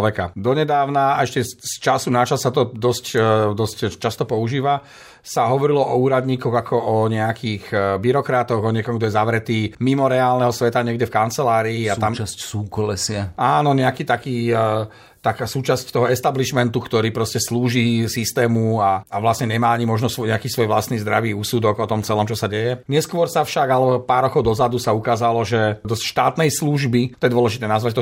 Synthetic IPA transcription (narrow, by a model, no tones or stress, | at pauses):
ʋɛkad̪ɔɲɛd̪aːʊnaɛʃcɛst͡ʃasunat͡ʃasːat̪ɔd̪ɔscd̪ɔsct͡ʃast̪ɔpɔuʒiːʋa | saɦɔʋɔɾilɔʔɔuːɾad̪ɲiːkɔɣakʰɔɔɲɛakʰiːɣbiɾɔkɾat̪ɔɣɔɲɪɛkɔmɡd̪ɔjɛzaʋɾɛt̪iːmimɔɾɛaːlˠnɛɦɔsʋɛt̪aɲɪɛɡɟɛfkant͡sɛlaːɾiːat̪amssuːkɔlɛsɪaaːnɔɲɛakiːt̪akiː | t̪akaːsuːt͡ʃasct̪ɔɦɔɛst̪abliʃmɛnt̪ukt̪ɔɾiːpɾɔscɛsluːʒisist̪ɛːmuaaʋlasɲɛɲɛmaːaɲimɔʒnɔsʋɔɲɛakiːsʋɔjʋlast̪niːzd̪ɾaʋiːusud̪ɔɡɔt̪ɔmt͡sɛlɔmt͡ʃɔsaɟɛjɛɲɛskʊɔɾsafʃaɡalɛbɔpaːɾɔkɔʊd̪ɔzad̪usaukaːzalɔʒɛd̪ɔscʃt̪aːt̪nɛjsluʒbit̪ɔjɛd̪ʋɔlɛʒit̪ɛːnazʋat̪ɔ